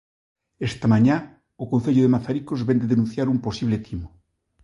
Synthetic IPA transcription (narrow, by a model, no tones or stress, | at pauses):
est̪amãɲa | okon̟θeʎoðemaθaɾikozβend̪eðenũn̟θjaɾumposiβlet̪ʰimo